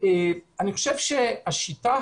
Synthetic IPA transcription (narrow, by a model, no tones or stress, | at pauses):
eaniχo̞̥ʃevʃeaʃita